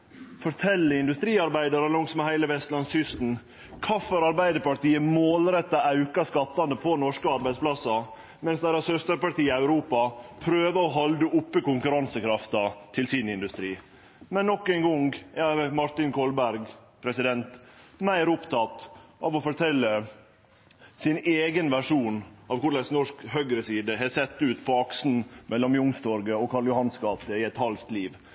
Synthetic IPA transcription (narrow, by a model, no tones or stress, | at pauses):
fɔɾʈ̪ʰɛlːəɪnd̪ʉst̪ɾiːɑɾbæɪd̪ɑɾəlɔŋsmɛhæɪləʋɛst̪lɑnsʏst̪n̩ | kʰɑːfɔɾɑɾbæɪd̪əɾpɑʈiːəmoːlɾɛt̪ːɑɑʉkɑskɑt̪ːɑnd̪əpʰɔnɔʂkəɑɾbæɪd̪spʰlɑsɑ | mɛnsd̪æɾɑsœst̪əɾpɑʈiːəæʉɾuːpɑpʰɾøːʋəɔɦɑld̪əʔʊpːəkʊŋkʉɾɑnsəkʰɾɑft̪ɑt̪ʰɪlsɪnɪnd̪ʉst̪ɾiː | mɛnːɔkːɛɪŋɡɔŋɡɛmɑɾʈ̪ɪnkʰɔlbæɾɡpʰɾɛsɪd̪ɛnt̪mæɪɾʊpt̪ʰɑt̪ʔɑːʋɔfɔɾʈʰɛlːə | sɪneːɡənʋæʂuːnɑʋkʊɭæɪsnɔʂkhœɡɾəsiːd̪əɦɛsɛt̪ːʉːt̪pʰɔɑksn̩mʔɛlːɔmjʊŋst̪ɔɾɡəɔkʰɑljʊhɑnskɑːt̪əɪɛt̪hɑlt̪liːʋ